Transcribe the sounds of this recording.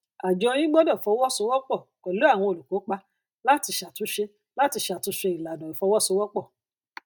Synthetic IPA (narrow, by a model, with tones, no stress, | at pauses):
a˨d͡ʒɔ˨˧jĩ˦ɡ͡bɔ˦dɔ˦˨fɔ˧˦wɔ˦so˧˦wɔ˦k͡pɔ˦˨kɔ˨lo˨˦a˦˨w̃ɔ̃˧o˨lu˨ko˨˦k͡pa˧ | la˦ti˧ʃa˨tu˨˦ʃe˧ | la˦ti˧ʃa˨tu˧˦ʃe˧i˨la˨dɔ̃˨i˨fɔ˧˦wɔ˦so˧˦wɔ˦k͡pɔ˦˨